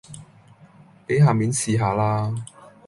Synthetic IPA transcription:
pe˨˥jɦaː˨miː˨˥nsiː˨ɦaː˨˧laː˧

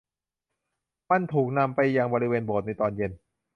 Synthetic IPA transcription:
ma˧˩˨nt̪ʰuː˨˩k̚na˧mpa˧jːa˧ŋbɔː˧ɾi˦˧weː˧nboː˨˩t̪̚na˧jt̪ɔː˧nje˧n

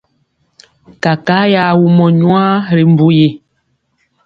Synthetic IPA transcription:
ka˨ka˦ja˨wu˨mɔ˨ɲwã˦ɾe˨m˦bu˦je˨

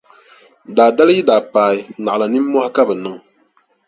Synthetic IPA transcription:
daː˨da˦lɨ˦ji˦daː˨paː˨i˦na˨ʔa˨la˨ni˦mː˦ɔ˦ha˦ka˦bɛ˨nɨ˦ŋ

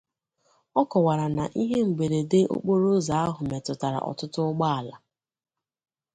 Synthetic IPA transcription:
ɔ˦kɔ˨wa˨ɾa˨na˨ʔi˦ɦe˦m̩˨ɡ͡be˨ɾe˨de˦ʔo̰˦k͡po˦ɾo˦za˨˦a˦ɦʊ˨me˨tʊ˨ta˨ɾa̰˨ʔɔ̰˨tʊ˦tʊ˦ɡ͡ba˦a˨la˨

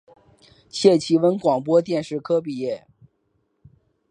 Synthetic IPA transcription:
ɕʰjɛ˥˩t͡ɕʰi˧˥wə˧˥nkwɑ˨˩ŋpwɔ˥t̪̬jɛ˥˧nʂɻ̩˥˩kʰɤ˥p̬i˥˧jɛ˥˩

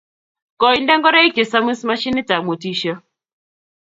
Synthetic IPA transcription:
kɔ˨i˦ndɛ˦ŋɡɔ˦ɾa˦i˦ke˨sa˦mi˦sma˦ʃi˦ni˦ta˨mo˨ti˦ʃə˦

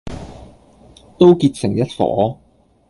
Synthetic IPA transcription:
t̪o˥wkiː˧t̚sɪ˨˩ŋjɐ˥t̚fɔ̰ː˨˥

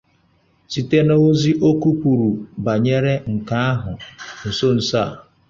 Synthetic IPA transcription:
si˨te˦no˦o˦zi˦ʔo˦ku˦pu˨ɾu˨ba˨ɲe˦ɾe˦ŋ̩˨ka˦a˦ɦʊ˨n̩˨so˦n̩˨sa˦˨

